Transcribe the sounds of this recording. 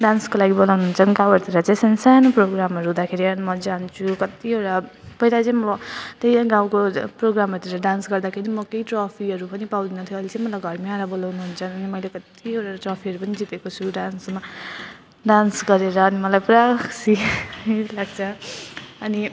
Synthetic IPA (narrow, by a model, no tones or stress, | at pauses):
ɖanskolaɡibolawnuɦunt͡sʰʌniɡãwʌɾut̪ʰiɾʌt͡sãj̃sʌnsanoproɡɾamʌɾuɦũd̪akʰeɾiʌnimʌd͡zant͡sʰukʌt̪ioʈapʌilajt͡sãĩmʌlat̪ejɡãwkoproɡɾamʌɾt̪eɾʌɖansɡʌɾd̪akʰeɾimʌkeiʈrʌpʰiɦʌɾupʌnipawd̪inut̪ʰjoːlet͡sãĩmʌlajɡʱʌɾmiaɾabolawnuɦunt͡sʰʌnʌnimʌjlekʌt̪iewʈaʈrɔpʰiʌɾupʌnid͡zit̪ekot͡sʰuɖansma | ɖansɡʌɾeɾʌːnimʌlajpuɾaksiilaɡt͡sʰʌ | ʌni